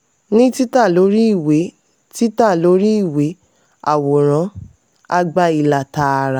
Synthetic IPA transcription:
nĩ˦ti˦ta˦˨lo˨˦ɾi˦i˦˨we˨˦ | ti˦ta˦˨lo˨˦ɾi˦i˦˨we˨˦ | a˨wo˨ɾ̃ã˨˦ | a˦˧ɡ͡ba˧i˧˨la˨ta˧ɾa˨

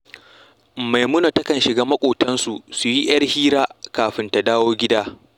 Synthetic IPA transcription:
ma˨jmʊ˦no˨tɐ˦kɐ˨nʃɪ˨ɡaː˦mɐ˦kʷʼoː˨tɐ˦nsu˨su˨ji˦ʔj̰ɐ˦rhiː˦ɾaː˦kaː˨ɸɪ˦nta˨daː˦woː˦ɡʲɪ˦daː˦

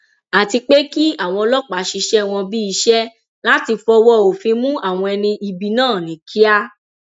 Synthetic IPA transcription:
a˨ti˧k͡pe˦ki˦a˦˨w̃ɔ̃˧lɔ˦k͡pa˨˦ʃi˧ʃɛ˦w̃ɔ̃˧bi˦i˧ʃɛ˦ | la˦ti˧fɔ˧wɔ˦o˨fĩ˧mũ˦ʔa˦˨w̃ɔ̃˧ɛ˧nĩ˧i˧bi˧nãː˦˨nĩ˨˦kʰi˦a˦

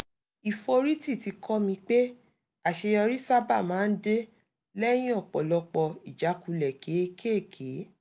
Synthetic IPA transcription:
i˨fo˧ɾi˦ti˦˨ti˧kʰɔ˦mĩ˧k͡pe˦ | a˨ʃe˧jɔ˧ɾi˦sa˦ba˦˨mãː˨˦n̩˦de˦ | lɛ˦j̃ĩ˦ɔ˦˨k͡pɔ˨lɔ˧k͡pɔ˧i˨d͡ʒa˨˦ku˧lɛ˨ke˨˦e˧kʰe˦˨kʰe˨˦

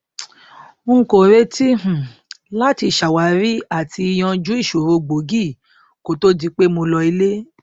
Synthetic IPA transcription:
ũ˦˧˨ko˨ɾe˦ti˦h̩˨la˦ti˧˨ʃa˨wa˨˦ɾi˦a˦˨tʰi˧i˧j̃ɔ̃˧d͡ʒũ˦i˦˨ʃo˨ɾo˧ɡ͡bo˨˦ɡi˦˨ | ko˨to˦di˧k͡pe˦mo˧lɔ˧i˧le˦

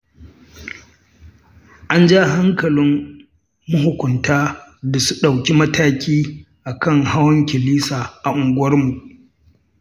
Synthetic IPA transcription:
ʔa˦nd͡ʒa˦ɦa˦ŋkɐ˨lɪ˦mː | ʊ˦ɦʊ˨kʷʊ˨ntaː˦da˨su˦ɗa˨wkʲi˦mɐ˦taː˦kʲiː˦ | ʔa˨kɐ˦˨ŋha˦wɐ˦ŋkʲɪ˨liː˦saː˨ʔa˨ʔʊ˨ŋɡʷwɐ˦rmu˨ʔ

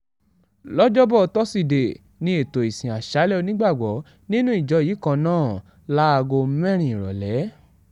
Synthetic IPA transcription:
lɔ˦d͡ʒɔ˦bɔ˦˨˧tɔ˦si˧˨de˨ | nĩ˧e˨to˨i˨sĩ˨a˨ʃa˨˦lɛ˦o˧nĩ˦ɡ͡ba˦˨ɡ͡bɔ˨˦ | nĩ˦nũ˦i˦˨d͡ʒɔ˨˧jiː˨˦kã˧nãː˦˨ | la˦a˧ɡo˧˦mɛ̃˦ɾ̃ĩ˨ɾɔ̰˨lɛ˨˦

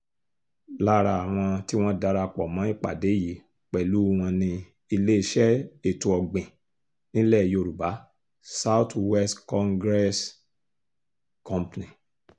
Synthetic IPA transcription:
la˦ɾa˧a˨w̃ɔ̃˧ti˦w̃ɔ̃˦da˧ɾa˧k͡pɔ˨mã˨˦i˦˨k͡pa̰˨de˨˦ji˨˦ | k͡pɛ˨lu˨˦w̃ã˧nĩ˧ | i˧le˦i˧˦ʃɛ˦e˨tũ˧˨ɔ˨ɡ͡bĩ˨ | nĩ˦lɛ˦˨ji˦o˦˧ɾu˨ba˨˦ | sa˦wtwɛ˦stkɔ̃˧ŋɡɾɛ˦s | kɔ̃˦˧pnĩ˨

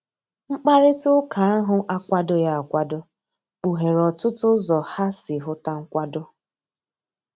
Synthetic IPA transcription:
ŋ͡m̩˦k͡pa˦ɾɪ˦tʊ˦ka˨a˦ɦʊ˦ʔa˦kʷa˦dʊ˦ja˦a˨kʷa˦dʊ˦ | k͡pu˨ɦe˨ɾɔ˨tʊ˦tʊ˦zɔ˨ha˦sɪ˨ɦʊ˦ta˦ŋ̩˦kʷa˦dʊ˦

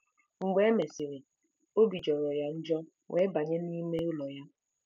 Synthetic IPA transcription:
ŋ͡m̩˨ɡ͡be˦me˨si˨ɾɪ˨ | o˦bi˨d͡ʒɔ˨ɾɔ˨ja˦n̩˦d͡ʒɔ˦ | wʔe˨˦ba˨ɲe˦ni˦me˦u˦lɔ˨ja˦

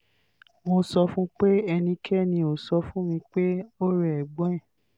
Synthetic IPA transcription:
mo˧sɔ˧fũ˦k͡pe˦ɛ˧nĩ˧kʰɛ˦˨nĩ˧o˨sɔ˧fũ˦mĩ˧k͡pe˦o˦ɾe˨ɛ˨ɡ͡bɔ̃˦ɛ̃˦˨

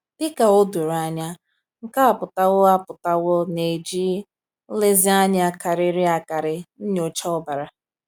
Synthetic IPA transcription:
d̥ɪ˦ka˨o˦du˨ɾa˨ɲa˦ | ŋ̩˦ka˦a˨pʊ˨ta˦ɣʊ˦a˦pʊ˨ta˦ɣʊ˦ne˨d͡ʒi˦ | le˦zi˦a˦ɲɪ˦a˦ka˨ɾɪ˦ɾi˦a˨ka˨ɾɪ˦n̩˦ɲo˨t͡ʃa˦ʊ˦ba˨ɾa˨

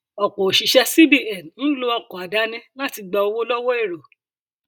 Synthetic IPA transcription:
ɔ˨k͡po˨ʃi˨ʃɛ˧si˦bi˦˨ɛ˨n˨ñ̩˦lo˧ɔ˧˨kɔ˨a˨da˨˦nĩ˦lã˦ti˧ɡ͡ba˧o˧wo˦lɔ˦wɔ˦e˦˨ɾo˨

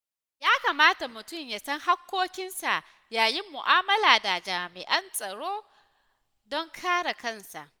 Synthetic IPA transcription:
jaː˦kaː˨maː˦ta˨mʊ˨tʊ˦˨mja˨sɐ˦ŋha˦kʷːoː˦kʲɪ˦nsa˨ʔ | jaː˨ji˦mːʊ˨ʔaː˦mɐ˦laː˨da˨d͡ʒaː˨mɪ˨ʔɐ˦nsʼɐ˨ɽoː˦ | dɔ˦ŋkʰaː˦ɽa˨kɐ˦˨nsa̰˨ʔ

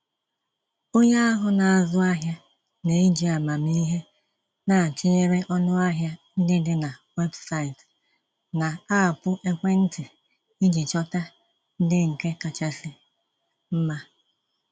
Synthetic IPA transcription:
o˦ɲa˦a˦ɦʊ˦na˨a˨zʊ˦a˦ɦja˦ | ne˨i˦d͡ʒi˦a˨ma˨mi˦ɦe˦ | na˨a˨t͡ʃi˦ɲe˦ɾe˦ʔɔ˦nʊ˦a˦ɦja˦n̩˦dɪ˦dɪ˦na˨we˦bsa˦ɪ˨t | na˨a˦a˨pʊ˦ʔe˦kʷe˦n̩˦tɪ˨ | i˦d͡ʒi˨t͡ʃɔ˦ta˦ | n̩˦dɪ˦ŋ̩˨ke˦ka˨t͡ʃa˦sɪ˦ | m̩˦ma˦

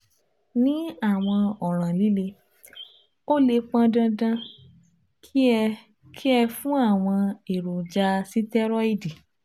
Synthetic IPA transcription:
nĩ˨˦a˦˨w̃ɔ̃˧ɔ˨ɾ̃ã˨li˨˦le˧ | o˦le˧k͡pã˧dã˧dã˧ | kʰi˦ | kʰi˦ɛ˧fũ˦a˦˨w̃ɔ̃˧e˨ɾo˨d͡ʒa˧si˦tɛ˦ɾɔ˦i˦˨di˨

